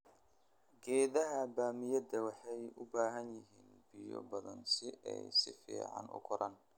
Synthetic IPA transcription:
ɡɛːðɐɦɐbaːmɪjɐd̪ɐwɑħɑjʊbaːɦɐnjɪɦiːnbɪjɔ̰bɐðɐnsɪʔɛ̰jsɪfḭːʕɑ̰nʔʊ̰kʰʊɾɐ̰n

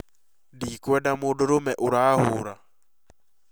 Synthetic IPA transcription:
dikwɛdamʊdʊɾʊmɛʔuɾahʊɾa

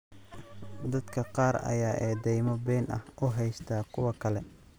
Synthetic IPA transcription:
d̪ɐd̪kʰɐqɑːɾɐ̰jaːʔɛːd̪ɛjmɔbɛːnʔɐ̰hʊɦɛjst̪ʰaːkʰʊwɐkʰɐlɛ

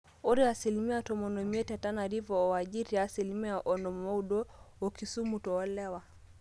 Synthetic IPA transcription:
ɔɾiasilimiatɔmɔnɔmiɛtatanaɾivɔwaʄiɾiasilimiaʔɔnɔmɔuɗɔɔkisumutɔːlɛwa

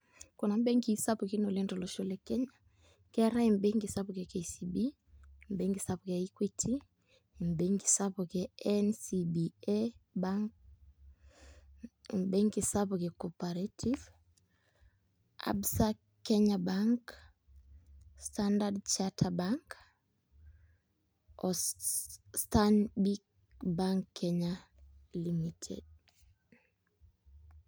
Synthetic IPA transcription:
kɔnambɛŋkisapukinɔlɛntɔlɔʃɔlɛkɛɲa | kɛɾaimbeŋɡisapkɛkesibi | mbɛŋɡisapkaikwitʰi | mbɛŋɡisapɔkɛɛnsibiɛbaŋk | mbɛŋkisapɔkɛkɔpaɾatʰiv | a̰bsa | keɲabaŋk | standadt͡ʃatʰabaŋk | ɔ | stanbik | baŋkʰːeɲalimitʰḛd̚

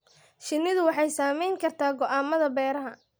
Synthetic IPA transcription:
ʃɪnːɪðʊwɑħɑjsaːmɛjŋkʰɐrt̪ʰaːɡɔʔaːmɐðɐbɛːɾɐɦɐ

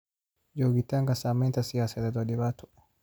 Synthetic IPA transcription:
d͡ʒɔɡitaŋɡasamɛntasiasɛɾɛdɔdiβatɔ̥

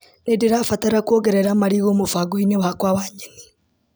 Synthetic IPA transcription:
nedeɾaːfataɾakwoɣɛɾɛɾamaɾiɣomofaɡoinewakwawaːɲɛni

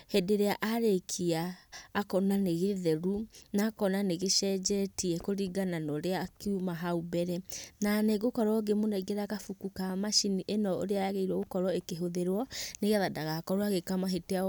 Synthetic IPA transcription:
hedeɾeaʔaɾekʰiaːkɔnaneɣeðɛɾunakɔnaneɣeʃɛd͡ʒɛtiɛkoɾiɡananɔɾeakiumaɦaubɛɾɛnaneɡokɔɾɔɡemoneɡeɾaɣafukukamaʃiniʔenɔo̰ɾeajaɣeiɾɔɣokɔɾɔekeɦoðeɾwɔneɣeaðadaɣakɔɾwaɣekamaɦetea

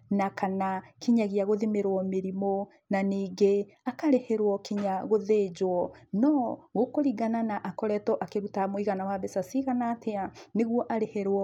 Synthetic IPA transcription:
nakanakiɲaɣiaɣoðimeɾwɔmeɾimo | naniːɡe | akaɾehɛɾwɔkiɲaɣoðed͡ʑwɔnɔɣokoɾiɡananaʔakɔɾɛtɔʔakeɾutamoiɣanawaβesasiɣanaːtʰeaneɣwɔʔaɾehɛɾwɔ

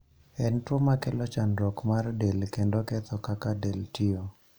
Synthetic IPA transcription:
ɛntɔmakɛlɔt͡ʃanɾɔkmardɛlkendokɛt̪ɔkakadɛltio

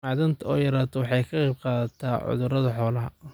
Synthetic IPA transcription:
aːðɐnt̪ʰɐɔːjɐɾaːt̪ʰɔwɑħɑjkʰɐqɑjb̚qɑːðɐt̪ʰaːʕʊ̰ðʊɾɐðɐħɔːlɐɦɐ̰

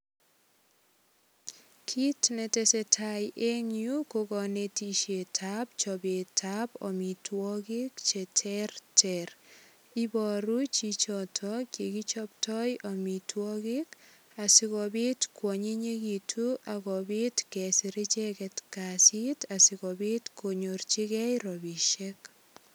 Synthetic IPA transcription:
kʰitnɛtɛsɛtʰajʔeŋjukoɡɔnetiʃetʰabt͡ʃɔbetʰabɔ̰mitwɔkɪkt͡ʃɛtʰɛrtɛɾ | ibɔɾut͡ʃit͡ʃɔtʰɔkekit͡ʃɔp̚tʰɔjɔmitwɔkik | asɪkɔbitkwɔɲeɲekitʰuʔakɔbetkɛsiɾit͡ʃɛkɛtkasitasɪkɔbetkoɲort͡ʃikɛjɾɔbiʃek

